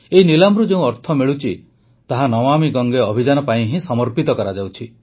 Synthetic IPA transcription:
einilambɾud͡ʒeũɔɾt̪ʰɔmeɭut͡ʃʰi | t̪aɦanɔmamiɡɔŋɡeɔbʱid͡ʒanɔpaĩɦĩsɔmɔɾpit̪ɔkɔɾad͡ʒawt͡ʃʰi

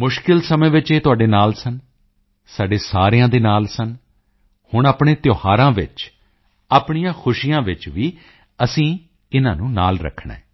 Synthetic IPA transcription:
mʊʃkɪlsəmẽːʋɪt͡ʃeːt̪ʊaːɖeːnaːlsən | saːɖeːsaːɾejãːd̪eːnaːlsən | hʊɳaːpɳ̃eːt̪joːhaːɾãːʋɪ̰t͡ʃ | aːpɳ̃ijãːxʰʊʃijãːʋɪt͡ʃʋiː | əsĩː | ɪnãːnũːna̰ːlɾə̰kʰːɳḛ̃ː

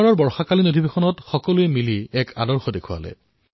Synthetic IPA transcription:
ɹɔɹbɔɹxakalinodʱibexɔnɔtxɔkɔluɛmiliɛka̰dɔɹxɔdekʰʊa̰lɛ̰

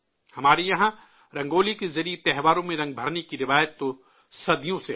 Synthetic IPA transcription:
hɐmaːɾejɐɦã | ɾɐ̃ŋɡoːlikezɐɾijet̪ɛɦʋaːɾõmẽɾɐ̃ŋɡ̚bʱɐɾnekiɾɪʋaːjət̪ːo | sɐd̪ʱijõse

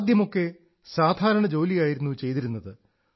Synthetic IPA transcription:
d̪jɐmo̞kːe̞ | saːd̪ʱaːɾɐɳɐd͡ʑo̞ːlijaːjiɾunːut͡ɕe̞jt̪iɾunːɐðɨ

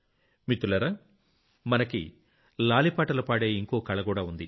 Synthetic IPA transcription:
mit̪ːulɐɾɐ | mɐnɐkḭ | laːlipaːʈɐlupaːɽe̞ːiŋkoːkɐɭɐɡuːɽaːund̪i

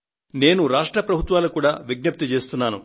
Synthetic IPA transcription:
ne̞ːnuɾaːʂʈɾɐpɾɐbʱut̪ʋaːlukuːɽaːʋiɡnɐp̚t̪it͡ʃe̞ːst̪unːaːnṵ

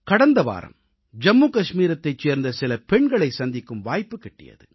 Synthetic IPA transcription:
kɐɽɐnd̪ɐʋa̰ːɾɐ̰m | d͡ʒɐmːuːkɐʂmiːɾɐt̪ːɐɪt͡ʃːeːɾnd̪ɐsɪlɐpɛɳɡɐɭɐɪsɐnd̪ɪkːɯmʋaːjpːɯkːɛʈːɪ̰jɐ̰ðɯ

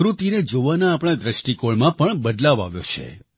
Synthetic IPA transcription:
ɾut̪ined͡ʒoʋanaːpɽ̃ad̪ɾəʃʈikoɭmãpəɳbəd̪laʋa̰ʋjo̰t͡ʃʰḛ

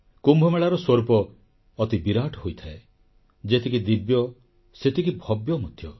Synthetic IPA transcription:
kumbʱɔmeɭaɾɔswɔɾpɔː | t̪ibiɾaʈɔɦojt̪ʰae | d͡ʒet̪ʰikid̪ibjɔ | set̪ʰikibʱɔbjɔmut̪ʰjɔ

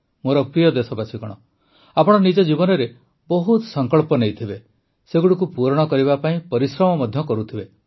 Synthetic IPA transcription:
moɾɔpɾijɔd̪esɔbasiɡɔɽ̃ɔ | apɔɽ̃ɔnid͡ʒɔd͡ʒibɔnɔɾe | bɔɦut̪sɔŋkɔɭpɔnejt̪ʰibe | seɡuɽikupuɾɔɽ̃ɔkɔɾiβapaĩpɔɾisɾɔmɔmɔd̪ʱjɔkɔɾut̪ʰibe

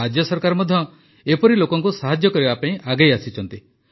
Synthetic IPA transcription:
ad͡ʒjɔsɔɾkaɾɔmɔd̪ʱjɔ | epɔɾilokɔŋkusaɦad͡ʒjɔkɔɾibapãĩʔaɡajasit͡ʃʰɔnt̪i

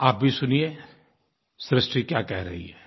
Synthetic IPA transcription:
aːp̚bʱisʊnie | sɾɪsʈɾikjaːkɛɦɾɐɦḭɦɛɛː

